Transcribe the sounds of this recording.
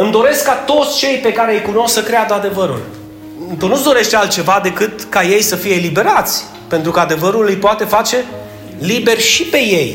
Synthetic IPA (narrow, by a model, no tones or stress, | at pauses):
ɨmd̪o̞ɾe̞skːat̪o̞t̪sʲt͡ʃe̞jpe̞kaɾeəjkuno̞ssəkɾead̪əad̪e̞vəɾṵl | t̪unut̪sd̪o̞ɾe̞ʃt̪ealt̪̚t͡ʃe̞vad̪e̞kɨt̪kaje̞jsəfije̞libe̞ɾat̪sʲ | pe̞nt̪ɾukəad̪e̞vəɾulɨjpoat̪e̞fat͡ʃe̞ | libe̞rʲʃipe̞je̞j